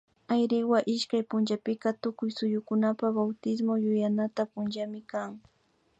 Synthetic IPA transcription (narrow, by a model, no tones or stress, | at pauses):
ajɾɪwaʔɪʃkajpʊnt͡ʃapɪkat̪ʊkʊjsʊjʊkʊnapabawt̪ɪs̬mojʊjanat̪apʊnd͡ʒamɪkaŋ